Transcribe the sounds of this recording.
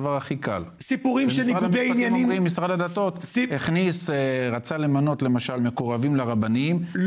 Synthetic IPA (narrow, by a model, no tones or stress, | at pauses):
vaʁaχika̰lsipuʁimʃeniaud̪einjaniʁimːisʁad̪ad̪at̪o̞t̪heχnisʁat͡sale̞mano̞t̪le̞maʃalme̞koʁavimlaʁabanim